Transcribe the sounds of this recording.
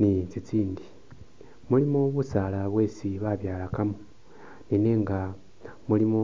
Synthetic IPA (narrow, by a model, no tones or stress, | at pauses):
nit͡sit͡siːndi | mulimoβusaːlaβwe̞ːsiβaβjaːlakamo | nine̞ːŋɡa | mulimo